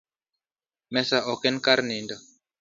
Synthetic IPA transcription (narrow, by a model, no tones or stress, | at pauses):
mɛsaʔɔkɛnkaɾninda